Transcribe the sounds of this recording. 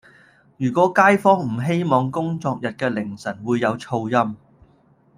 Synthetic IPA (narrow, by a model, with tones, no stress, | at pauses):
jyː˨˩kʷɔː˨˥kaː˥jfɔː˥ŋm̩˨˩ɦe˥jmɔː˨˧ŋkʊ˥ŋt͡sɔː˧k̚jɐ˨t̚kɛː˧lɪ˨˩ŋsɐ˨˩nwuː˨˧jːɐ˨˧wt͡sʰo˧wjɐ˥m